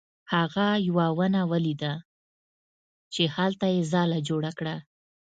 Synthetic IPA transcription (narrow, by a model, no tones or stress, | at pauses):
haɣajwawənawəlid̪a | t͡ʃehalt̪ajezɑlad͡ʒoɽakɽa